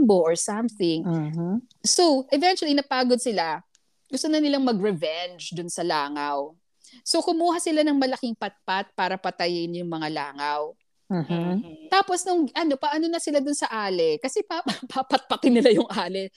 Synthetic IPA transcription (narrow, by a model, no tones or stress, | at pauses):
boʔoɹsɐmθɪŋ | sowʔɛvɛntt͡ʃʊwɐlinɐpaːɡod̪̚sɪla | ɡʊst̪onɐnɪlaŋmɐɡɹɛvɛnd͡ʒd̪ʊnsɐlaːŋɐw | sokʊmuːɦasɪlanɐŋmɐlɐkɪŋpɐt̪̚pat̪̚paːɾɐpɐt̪ɐjɪnjʊŋmɐŋala̰ːŋɐw | t̪aːpo̞snʊŋʔɐno̞pɐʔɐnonɐsɪlad̪ʊnsɐʔaːlɛkɐsɛpapapɐt̪̚pɐt̪ɪnːɪlajʊŋʔaːlɛ